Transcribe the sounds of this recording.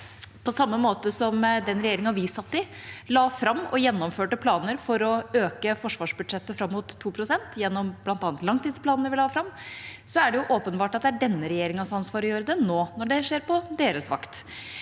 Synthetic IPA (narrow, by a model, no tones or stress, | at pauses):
pʰɔsɑmːəmoːt̪əsɔmd̪ɛnɾɛjeːɾɪŋɑnʋɪsɑt̪ːɪlɑːfɾɑmːɔ̰jɛnːɔmføːʈəpʰlɑːnəɾfɔɾɔøːkəfɔʂʋɑːʂbʉd̪ʂɛt̪ːəfɾɑmːʊːt̪ʰːuːpʰɾʊsɛnt̪ʰjɛnːɔmb̥lɑnt̪ɑːnt̪lɑŋt̪iːspʰlɑːnnəɾʋɪlɑːfɾɑmːsɔæɖɛjʊʔoːpənbɑːʈɑt̪̚d̪ɛæɖɛnːəɾɛjeːɾɪŋənsɑnsʋɑːɾɔjøːɾəd̪ɛnoːnɔɖɛʂeːɾpɔd̪eːɾəsʋɑ̰kt̪